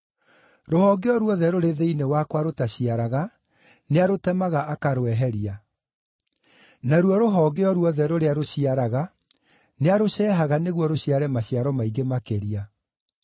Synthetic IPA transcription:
ɾohɔːɡeɔɾwɔðɛɾoɾeðeinewakwaɾotaɕiaɾaɣa | neaɾotɛmaɣaʔːkaɾoɛɦɛɾia | naɾwɔɾoɦɔːɡeɔɾwɔðɛɾoɾeaɾoɕiaɾaɣa | neaɾoɕɛːɦaɣaneɣwɔɾoɕiaɾɛmaɕiaɾɔmaiɡemakeɾia

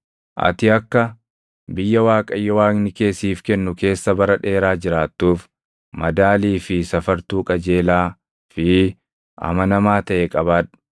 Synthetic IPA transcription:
ʔɐ̰t̪ɪɐkːɐ | bɪjːɐwaːkʼɐjːɔwaːknɪke̞ːsiːfkɛnːʊke̞ːsːɐbɐɾɐᶑe̞ːɾaːd͡ʒɪɾaːt̪ːuːf | mɐd̪aːliːfɪsɐfɐɾt̪uːkʼɐd͡ʒe̞ːlaː | fɪ | ʔɐ̰mɐnɐmaːt̪ɐʔekʼɐβaːᶑ

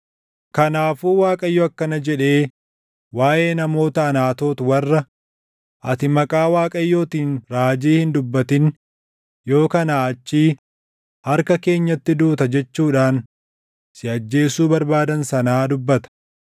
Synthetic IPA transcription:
kɐnaːfuːwaːkʼɐjːɔɐkːɐnɐd͡ʒɛᶑe̞ː | waːʔe̞ːnɐmo̞ːt̪ɐɐnaːt̪o̞ːt̪ʊwɐrːɐ | ʔɐt̪ɪmɐkʼaːwaːkʼɐjːo̞ːt̪iːnɾaːd͡ʒiːhɪnd̪ʊbːɐt̪ɪn | jo̞ːkɐnaːɐt͡ʃːiː | hɐɾkɐke̞ːɲːɐt̪ːɪd̪uːt̪ɐd͡ʒɛt͡ʃːuːᶑaːn | sɪɐd͡ʒːe̞ːsuːbɐɾbaːd̪ɐnsɐnaːd̪ʊbːɐt̪ɐ̥

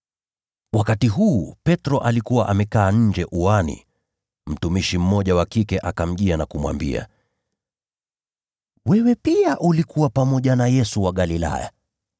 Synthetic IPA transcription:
wakatiɦuːpɛtɾɔʔalikuwaʔamɛkaːɲ̩d͡ʒɛʔuanḭ | m̩tumiʃim̩mɔʄawakikɛʔakam̩ʄianakumwa̰mbḭa̰ | wɛwɛpiaʔulikuwapamɔʄanajɛsuwaɠalila̰ja̰

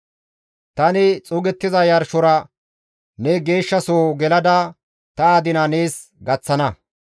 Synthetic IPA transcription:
t̪ɐnɪt͡sʼʊɡɛt̪ːɪzɐjɐɾʃɔɾɐ | nɛɡe̞ːʃːɐsoːɡɛlɐd̪ɐ | t̪ɐaːd̪ɪnɐneːs | ɡɐt͡sːɐnɐ

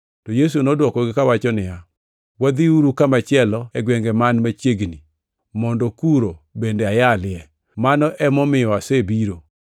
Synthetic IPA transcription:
tɔjes̬unɔdwɔkɔɡɪkawat͡ʃɔnɪja | wad̪iuɾukamat͡ʃɪɛlɔɛɡwɛŋɡɛmanmat͡ʃeɡni | mɔndɔkuɾobendeajalɪɛ | manɔʔɛmɔmɪjɔasebiɾo

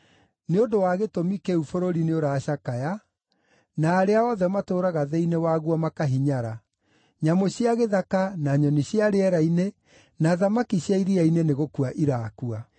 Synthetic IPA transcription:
neodowaɣetomikeufoɾoɾineoɾaːɕakaja | naːɾeaɔðɛmatoːɾaɣaðeinewaɣwamakaɦiɲaɾa | ɲamoɕiaɣeðakanaɲɔniɕiaɾeɛɾaine | naðamakiɕjaiɾiaineneɣokuaʔiɾakua

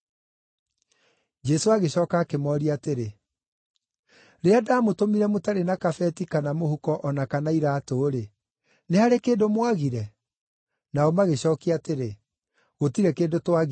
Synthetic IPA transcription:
d͡ʒɛsoaɣeɕɔːkaːkemɔːɾiateɾe | ɾeadaːmotomiɾɛmotaɾenakafɛtikanamohukɔʔɔnakanaiɾaːtoːɾe | nehaɾekeːdomwaɣiɾɛ | naɔmaɣeɕɔːkiateɾe | ɣotiɾɛkeːdotwaɣ

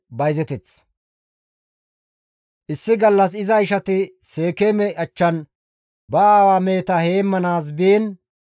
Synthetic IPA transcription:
bɐjzɛt̪ɛt͡s | ʔɪsːɪɡɐlːɐs̬ɪzɐɪʃɐt̪ɪ | se̞ːkeːmɛʔɐt͡ʃːɐn | bɐaːwaːme̞ːt̪ɐheːmːɐnaːs̬biːn

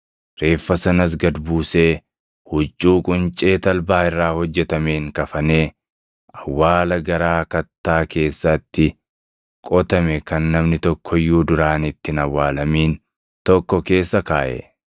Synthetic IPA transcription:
ɾe̞ːfːɐsɐnɐs̬ɡɐd̪buːse̞ː | hʊt͡ʃʼːuːkʼʊnt͡ʃʼe̞ːt̪ɐlbaːɪrːaːhɔd͡ʒːɛt̪ɐme̞ːŋkɐfɐne̞ː | ɐwːaːlɐɡɐɾaːkɐt̪ːaːke̞ːsːɐt̪ːɪ | kʼɔt̪ɐmɛkɐnːɐmnɪt̪ɔkʰːɔjːuːd̪ʊɾaːnɪt̪ːɪnɐwːaːlɐmiːn | t̪ɔkːɔke̞ːsːɐkaːʔɛ̰

